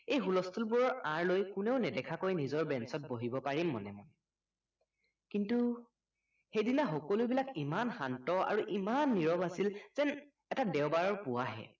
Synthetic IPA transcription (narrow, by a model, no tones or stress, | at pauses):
ejxulɔstʰulbuɹɔɹãɹlojkʊneʊnɛdɛkʰakojnizɔɹbɛnsɔt̚boɦibɔpaɹimːɔ̰nɛmɔ̰j | kintu | xejdinaxɔkɔlujbilakimanxantɔa̰ɹuʔimanːiɹɔbasilz̥ɛn | ɛtadɛʊbaɹɔɹpʊwaɦɛ̰